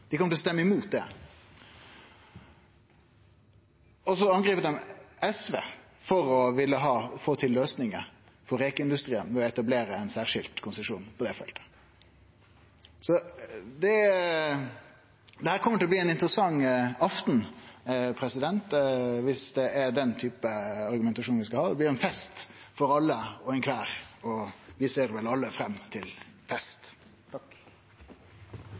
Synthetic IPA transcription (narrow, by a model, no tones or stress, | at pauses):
d̪̥ɪkʰɔmət̪ɪlɔst̪ɛmːəɪmuːt̪̚d̪ɛ̰ | ɔsɔɑnɡʁiːpəɾd̪ɛmɛsʋḛː | fɔɾɔʋɪlːəɦɑːfoːt̪ʰɪlːøːsnɪŋə̰ | fɔɾeːkəɪnd̪ʉst̪ʁiːənʋɛɔɛt̪ɑbleːɾəɛnsæːʁʂɪlt̪kʰʊnsəʂṵːnpʰɔd̪ɛfɛ̰lt̪ə̥ | sɔd̪ɛ | d̪ɛhæːɾkʰɔməʈ̪ɪlɔb̪iːɛnɪnt̪əɾəsɑŋːɑft̪n̩ | pʰɾɛsɪd̪ɛnt̪ʋɪsd̪ɛʔɛɾɖ̪ɛnt̪ʰyːpəɑɾɡʉmɛnt̪ɑʂuːnʋɪskɑlhɑːsɔblɪɾɛnfɛst̪fɔɾɑlːəɔɛnkʰʋæːɾɔʋɪseːɾʋɛlɑlːəfɾɛmːt̪ʰɪlfɛst̪ | t̪ʰɑk